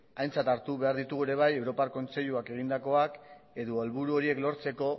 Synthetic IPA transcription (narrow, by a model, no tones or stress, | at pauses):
ajnt͡sat̪aɾt̪uβe̞aɾðit̪uɣuɾe̞β̞aje̞wɾo̞paɾko̞nt͡se̞ʎuake̞ɣ̞ind̪ako̞ak | e̞ðualβuɾuo̞ɾie̞klo̞ɾt͡se̞ko̞